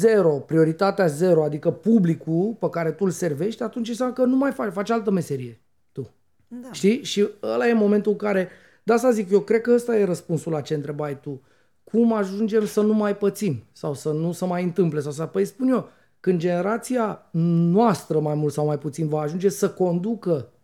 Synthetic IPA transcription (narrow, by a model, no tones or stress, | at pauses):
ze̞ɾo̞pɾio̞ɾit̪at̪eaze̞ɾo̞ad̪ikəpublikulpekaɾe̞t̪ulse̞rve̞ʃt̪ʲat̪unt͡ʃinsjamləkənumajfat͡ʃfat͡ʃalt̪əme̞se̞ɾije̞ | t̪u | ʃt̪iʃiəlaje̞mo̞me̞nt̪uɨŋkaɾe̞ | d̪ast̪azikjo̞kɾekəəst̪aje̞ɾəspunsulat͡ʃe̞ɨnt̪ɾe̞baɾet̪u | kʰumaʒund͡ʒe̞msənumajpət̪sinsawsənusəmajɨnt̪ɨmple̞saws̬apəjspunjo̞ | kɨnd̪d͡ʒe̞ne̞ɾat̪sijanwast̪ɾəmajmult̪sawmajput̪sinvaːʒund͡ʒe̞səko̞nd̪ukə